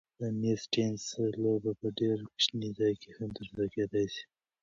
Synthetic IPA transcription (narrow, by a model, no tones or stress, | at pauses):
d̪ənesʈenslobapəɖeɾkʃnid̪ajkehamt̪əɾsalaked̪ajsi̥